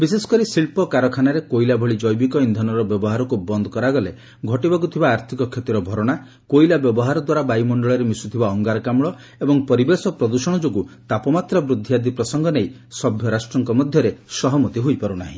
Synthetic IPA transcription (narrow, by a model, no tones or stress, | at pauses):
bisesɔ̥kɔɾisiɭpɔkaɾɔkʰanaɾekoilabʱɔɭid͡ʒɔjbikɔind̪ʱɔnɔɾɔbjɔbɔɦaɾɔkubɔnd̪ʱɔkɔɾaɡɔle | ɡʱɔʈibɔkut̪ʰibaːɾt̪ʰikɔkʰjet̪iɾɔbʱɔɾɔɽ̃a | kojlabjɔbɔɦaɾɔd̪waɾabajmɔɳɖɔɭɔɾemisut̪ʰibaɔŋɡaɾkamɭɔ | ebɔŋpɔɾibesɔpɾɔd̪usɔɽ̃ɔd͡ʒoɡut̪apɔmat̪ɾɔbɾud̪ʱːijad̪ipɾɔsɔŋɡɔnej | sɔbʱjɔɾasʈɾɔŋkɔmɔd̪ʱjɔɾesɔɦɔmɔt̪iɦojpaɾunaɦḭ̃